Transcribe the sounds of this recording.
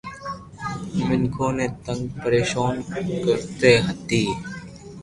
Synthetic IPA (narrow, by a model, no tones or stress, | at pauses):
mɪŋkʰõːneːt̪ə̃ŋɡ̚pəɾeːʃaːnkəɾt̪eːɦət̪iː